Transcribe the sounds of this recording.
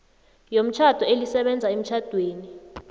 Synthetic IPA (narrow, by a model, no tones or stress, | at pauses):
jom̩t͡ʃʰad̥ʱɔelisɛɓɛnd͡zʱaem̩t͡ʃʰad̥ʱweːni